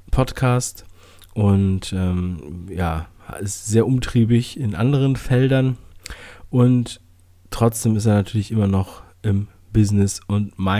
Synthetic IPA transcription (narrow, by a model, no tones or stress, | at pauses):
pʰɔtkʰaːst | ʔʊntʔɛːmja̰ːɪstz̥eːɐʔʊmtʁ̥iːbɪçɪnʔa̰ndəʁ̞ənfɛldɐn | ʔʊntː | ʁ̥ɔt͡sd̥eːmɪsteːɐnatʰyːɐlɪçʔɪmɐnɔχ | ʔɪm | bɪznɪsʊntmaɪ